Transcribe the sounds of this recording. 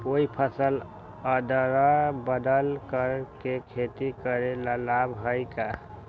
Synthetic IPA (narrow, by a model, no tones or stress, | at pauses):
oipʰəsəl | əd̪əɾabəd̪əlkəɾkekʰet̪ikəɾeləlabɦəjka